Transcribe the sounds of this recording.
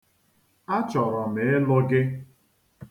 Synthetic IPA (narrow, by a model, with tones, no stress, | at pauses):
a˦t͡ʃɔ˨ɾɔ˨me˨ɪ˦lʊ˦ɡɪ˦